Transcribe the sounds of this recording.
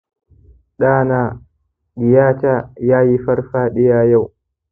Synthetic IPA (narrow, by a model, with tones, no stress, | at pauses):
ɗaː˦˨naː˦˨ | ɡɪ˨jaː˦taː˦jaː˦ji˦ɸɐ˦rɸaː˦ɗɪ˦jaː˦ja˦˨w